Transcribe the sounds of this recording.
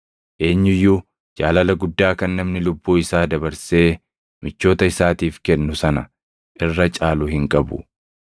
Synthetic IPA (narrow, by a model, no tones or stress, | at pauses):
ʔe̞ːɲːɪjːuː | d͡ʒaːlɐlɐɡʊd̪ːaːkɐnːɐmnɪlʊbːuːɪsaːd̪ɐbɐɾse̞ː | mɪt͡ʃːo̞ːt̪ɐɪsaːt̪iːfkɛnːʊsɐnɐ | ʔɪrːɐt͡ʃʼaːlʊhɪŋkʼɐbʊ̰